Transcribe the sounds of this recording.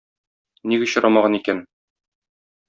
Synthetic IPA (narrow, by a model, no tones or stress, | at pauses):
niɡɘ̆ɕɤ̆ɾʔɑmɑʁɑnikæn